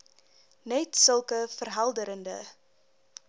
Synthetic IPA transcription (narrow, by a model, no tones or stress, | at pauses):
nɛtsəlˠkəfərɦɐlˠdəɾəndə̰